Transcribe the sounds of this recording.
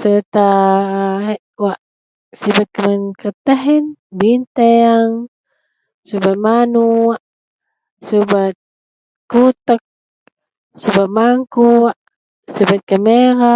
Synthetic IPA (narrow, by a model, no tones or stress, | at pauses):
sət̪a | ɦeʔwaʔ | sibat̪̚kəmənkət̪aɦɛnbint̪eaŋ | subat̪̚manuaʔ | subat̪̚ | kut̪ək̚ | subat̪̚maŋkuaʔ | sibat̪̚kameɾa